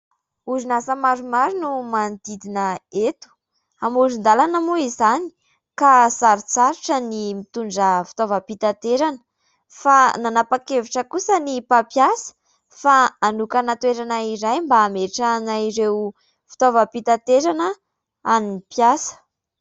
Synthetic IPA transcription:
uɾinasəmaɾumaɾunumand̪id̪inəet̪u̥ | amuɾind̪alanəmuizani̥ | kasaɾut͡saɾuʈ͡ʂənimit̪uɳɖ͡ʐəfi̥t̪ovəpit̪at̪eɾanə̥ | fananapakeviʈ͡ʂəkusənipapjasə̥ | faanukənat̪uweɾanaiɾajmbaːmeɾiʈ͡ʂənaiɾew | fi̥t̪ovəpit̪at̪eɾanə | aninipjasə̥

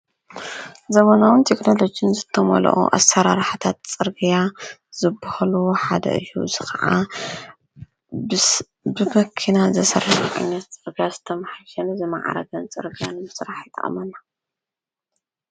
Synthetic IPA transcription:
zɐmɐnawɨnt̪ʰeknolo̞d͡ʒiinzɨt̪ʰːɐmɐ̰lɐ̰ʔṵʔa̰sːɐɾa̰ɾħat̪ʰat̪̚t͡sʼɨɾɡijaz̥ɨbːɐhɐluħad̪ɐ̰ʔɨjṵwzɨxʰɐʕa | bɨmɐkʰːinazɐsɐrɐħuʕa̰nːɐt̪t͡sʼɨɾɡijazɨt̪ʰɐmɐħaʃɐnɨzɨma̰ʕ̰ɾɐ̰ɡɐnt͡sʼɨ̰ɾɡijanmɨsɾaħjt̪ʰɐ̰ʔʼmɐna

